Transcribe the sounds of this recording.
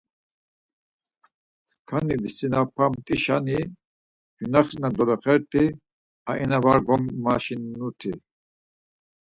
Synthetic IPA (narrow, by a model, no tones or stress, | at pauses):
kʰanid̪isinapʰamt̪ʼiʃani | junaχsnad̪ɔlɔχɛɾt̪ʰi | aʔinavaɾɡɔmːaʃinːut̪ʰi